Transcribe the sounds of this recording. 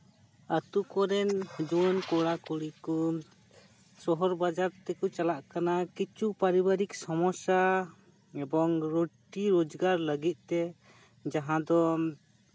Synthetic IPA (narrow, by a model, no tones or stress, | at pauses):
at̪ukɔɾɛnd͡ʒuɔnkɔɽakɔɽikɔ | sɔɦɔɾbad͡ʒaɾt̪ɛkɔt͡ʃalaʔkanakit͡ʃupaɾibaɾiksɔmɔsa | ɛbɔŋɾoʈiɾod͡ʒɡaɾləɡit̪̚ˀt̪ɛ | d͡ʒaɦãd̪ɔ